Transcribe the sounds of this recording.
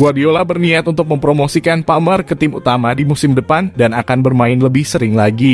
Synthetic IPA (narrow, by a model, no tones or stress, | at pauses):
ɡuadiolabərniat̪unt̪ʊk̚məmpɾomosikanpamərkət̪ɪmṵt̪amadimusɪmdəpandanakanbərmaɪnləbɪhsəɾɪŋlaɡi